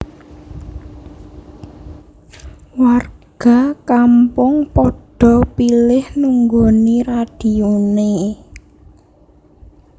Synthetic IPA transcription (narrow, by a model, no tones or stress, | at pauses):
warɡ̥a̤kampʊŋpɔɖ̥ɔ̤pilɪhnuŋɡoniɾad̥i̤one